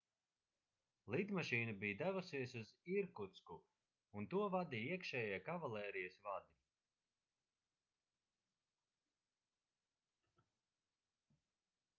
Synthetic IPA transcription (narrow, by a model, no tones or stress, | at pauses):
lˠid̪maʃiːnubijd̪ævusiɛsuziɾkut̪sku | unt̪uɔvad̪ijiɛkʃɛːjiɛkavalˠɛːɾijəsvad̪i